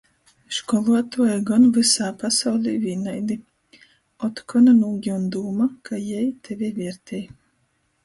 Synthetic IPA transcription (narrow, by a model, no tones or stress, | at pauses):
ʃkɔlˠuɔt̪uɔɛɡɔnvɨsaːpasawlʲiːvʲiːnajd̪i | ɔt̪kʰɔnanuːɡʲiund̪uːmakʰajɛjt̪ʰɛvʲivʲiɛɾt̪ʲʰɛj